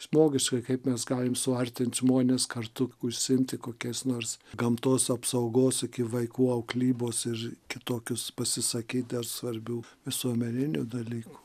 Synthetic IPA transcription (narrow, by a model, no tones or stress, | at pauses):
ʒmoːɡʲɪʃkɐɪkɐɪpmʲɛsɡɑːlʲɪmsʊɐrʲt̪ʲɪnt̪ʒmoːnʲeːskɐrt̪ʊʊʃʲsʲɪɪmʲt̪ʲɪkoːkʲɛɪsnoːrsɡɐmt̪oːsɐpsɐʊɡoːsɪkʲɪʋɐɪkuːɐʊklʲiːboːsɪrkʲɪt̪oːkʲʊspɐsʲɪsɐkʲiːt̪̚d̪ɐrsʋɐɾʲbʲuːʋʲɪsuɔmʲɛnʲɪnʲʊd̪ɐlʲiːkʊ̥